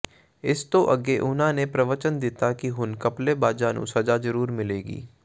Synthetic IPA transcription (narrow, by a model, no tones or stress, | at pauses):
ɪst̪oʔɐɡeʔʊn̤ãːnepɾɐʋət͡ʃənd̪ɪt̪akiɦʊnkɐplebaːd͡ʒaːnṵsɐd͡ʒazɐɾuːɾmɪleːɡḭː